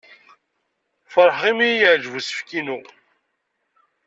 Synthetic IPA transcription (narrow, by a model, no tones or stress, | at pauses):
fəɾˤħʁimijjəʕd͡ʒəvusə̥fkinu